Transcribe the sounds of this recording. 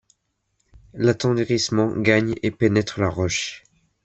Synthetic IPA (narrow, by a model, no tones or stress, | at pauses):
lat̪ɑ̃d̪ʁismɑ̃ɡaɲepenɛt̪χəlaʁɔʃ